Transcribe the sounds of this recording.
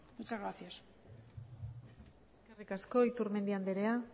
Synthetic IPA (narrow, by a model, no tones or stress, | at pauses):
mut͡ʃazɣɾaθjas | esskerikasko̞it̪uɾme̞nd̪iand̪eɾea